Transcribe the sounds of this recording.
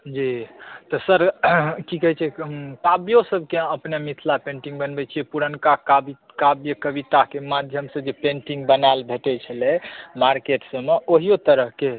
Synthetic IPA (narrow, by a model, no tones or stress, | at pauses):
d͡ʒit̪ɔsəɾkikəɦɛt͡ʃʰɛkabjosəbʱkẽəpnemit̪ʰlapẽʈĩŋɡbənbɛt͡ʃʰiɛpuɾənkakabi | kabjəkəbit̪akemad̪ʱjəmsə̃d͡ʒepẽɳʈĩŋɡbənaelbʱeʈɛt͡ʃʰəlɛmaɾkeʈsəmeʔoɦijot̪əɾəɦke